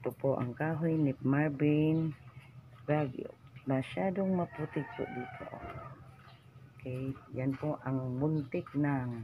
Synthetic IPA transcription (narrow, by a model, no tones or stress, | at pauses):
t̪ʊpoʔa̰ŋkaɦujnipmarbin | ɡaɡo̰masadʊŋmaput̪ikʊ̰ʔdit̪ʰo̰ʔ | kejjanpoʔaŋmunt̪ɪk̚naŋ